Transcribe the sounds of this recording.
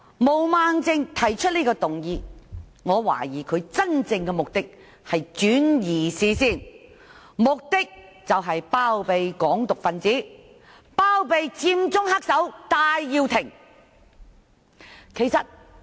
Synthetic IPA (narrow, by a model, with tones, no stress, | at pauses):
mo˨˩wmaː˧ŋt͡sɪ˧ŋt̪ʰɐ˨˩jt͡ʃʰɵ˥t̚liː˥kɔː˧t̪ʊ˨ŋjiː˨˧ | ŋɔː˨˧wa̰ː˨˩jiː˨˩kʰɵ˨˧ɥt͡sɐ˥nt͡sɪ˧ŋkɛː˧mʊ˨k̚t̪ɪ˥k̚ | hɐ˨jt͡ʃyː˨˥njiː˨˩siː˨˧siː˥˩n | mʊ˨k̚t̪ɪ˥k̚ | t͡sɐ˨wɦɐ˨jpaː˥wpe˨jkɔː˨˥ŋt̪ʊ˨k̚fɐ˨˧nt͡siː˨˥ | paː˥wpe˨˧jt͡siː˧mt͡sʊ˥ŋha˥k̚sɐ˨˥wt̪aː˨˧jːiː˧wt̪ʰɪ˨˩ŋ | kʰe˨jsɐ˨t̚